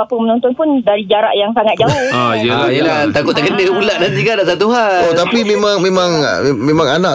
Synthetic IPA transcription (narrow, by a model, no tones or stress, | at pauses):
apəmənɔnt̪ɔnpʊndaɾid͡ʒaɾa̰ʔjaŋsaŋat̪̚d͡ʒaʊaiəlajəlat̪akʊt̪̚aɡənəmulaʔnant̪ikandaʔsat̪uɦaot̪apimẽmãŋmẽmãŋ | mẽmãŋana